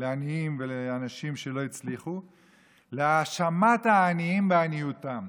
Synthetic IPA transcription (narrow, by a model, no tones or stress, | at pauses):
leaniimveleanaʃimʃe̞lo̞it͡sliχu | leaʃamat̪haːniimbeanijut̪am